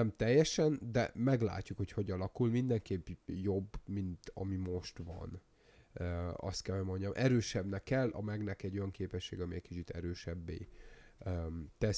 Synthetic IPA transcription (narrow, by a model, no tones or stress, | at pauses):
ɛmt̪ɛjːɛʃɛnd̪ɛ̰mɛɡla̰ːcːukho̞cho̞ɟɒlɒkulmind̪ɛŋkeːpjo̞bːmint̪ɒ̰mimo̞ʃt̪ʋɒ̰n | ɒ̰st̪kɛlho̞ɟmo̞ɲɟɒmʔɛɾøːʃɛbnɛkːɛlːɒ̰mɛɡnɛkɛɟːo̞jɒŋkeːpɛʃːeːɡɒmiɛcʲkit͡ʃit̪ɛɾøːʃɛbːḛː | t̪ɛ